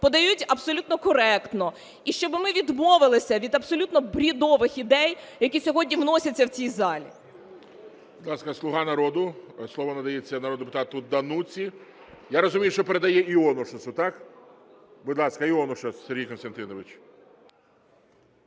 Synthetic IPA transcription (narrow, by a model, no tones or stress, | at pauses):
pɔd̪ɐjutʲɐbsɔlʲut̪nɔkɔɾɛkt̪nɔ | iʃt͡ʃɔbɪmɪʋʲid̪mɔʋɪlˠɪsʲɐʋʲid̪ɐbsɔlʲut̪nɔbɾʲid̪ɔʋɪxid̪ɛjjɐkʲisʲɔɦɔdʲnʲiwnɔsʲɐtʲt͡sʲːɐwt͡sʲijzɑlʲḭ | bid̪lˠɑskɐslˠʊɦɑnɐɾɔd̪ʊslˠɔʋɔnɐd̪ɐjet͡sʲːɐnɐɾɔd̪d̪epʊ̥t̪ɑt̪ʊd̪ɐnut͡sʲi | jaɾɔzʊmʲijʊʃt͡ʃɔpeɾed̪ɐjɛiɔnʊʃɐsʊt̪ɑk | bʊd̪lˠɑskɐiɔnʊʃɐsseɾʲɦʲijkɔnst̪ɐnt̪ɪnɔʋɪt͡ʃ